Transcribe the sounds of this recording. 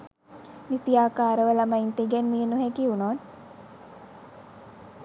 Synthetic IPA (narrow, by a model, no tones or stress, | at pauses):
nisijaːkaːɾəʋəlamaint̪eɡɛnmiənuɦekiunoːn